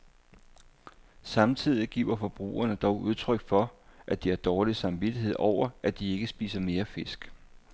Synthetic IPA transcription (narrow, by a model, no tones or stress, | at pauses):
sɑ̈mt͡sʰið̞̰ˠiɡ̥ḭːʊɐfɒ̽b̥ʁṵːɐnəd̥ɒʊʔuð̞ˠt͡sʰʁœɡ̥fɒ̽ʔæd̥iæɐd̥ɒːlisɑ̈mʋid̥iɦe̝ð̰ˠɒʊ̰ɐʔæd̥ie̝ɡ̥əsb̥ḭːsɐme̝ːɐfe̝sɡ̥